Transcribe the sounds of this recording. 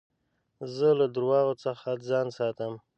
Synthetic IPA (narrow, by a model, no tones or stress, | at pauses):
zəlad̪ɾwɑɣot͡səxad͡zɑnsɑt̪əm